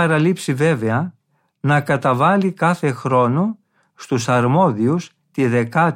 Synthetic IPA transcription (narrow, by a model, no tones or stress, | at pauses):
ɐɾɐlipsive̞veɐ | nɐkɐt̪ɐvɐlikɐθe̞xɾo̞nu | st̪usɐɾmo̞ðius | t̪iðe̞kɐ